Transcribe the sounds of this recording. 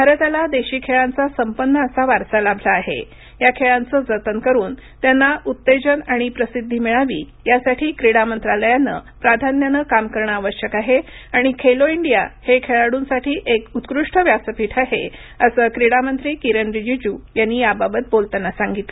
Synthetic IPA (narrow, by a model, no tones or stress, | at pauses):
bʱaɾət̪alad̪eɕiːkʰeɭant͡sasəmpənːəːsaʋaɾsalabʱlaːɦḛ | jakʰeɭant͡səːd͡zət̪ənkəɾuːn | t̪janːaʔut̪ːed͡ʑənaɽ̃ipɾəsid̪ʱːiːmiɭaʋḭː | jasaʈʰiːkɾiɽamənt̪ɾaləjanːə̰pɾad̪ʱanjənəkamkəɾɳəaʋəɕjəkaɦe | aɽ̃ikʰeloiɳɖija̰hekʰeɭaɽuːnsaʈʰiːʔekut̪kɾuʂʈʰəʋjasəpiːʈʰaɦḛ | əsəːkɾiɽamənt̪ɾiːkiɾənɾid͡ʑid͡ʑuːjanːiːjababət̪̚bolt̪anːasaŋɡit̪le